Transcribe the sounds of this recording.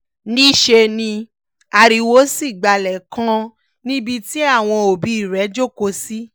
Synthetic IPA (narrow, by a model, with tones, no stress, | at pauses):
nĩ˦ʃe˧nĩ˧ | a˧ɾi˧wo˦si˦˨ɡ͡ba˨lɛ˨kã˧ | nĩ˦bi˧ti˦a˦˨w̃ɔ̃˧o˨bi˨˦i˦˨ɾɛ˨˦d͡ʒo˦˨ko˧si˦